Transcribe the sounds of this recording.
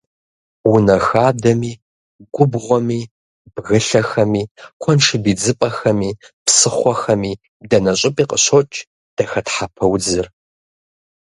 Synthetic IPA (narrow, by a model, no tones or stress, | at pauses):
wʊnɐxaːdɐmiː | ɡʷʊbʁʷɔmiː | b̥ɣɨɬɐxɐmiːqʷʰɔnʂɨbiːd͡zɨpʼɐxɐmiːpsɨχʷɔxɐmiː | dɐnɐɕʼɪpʼiːqʼə̰ɕot͡ʃʼ | d̥ɐxɐtħapʰɐwd͡zɨr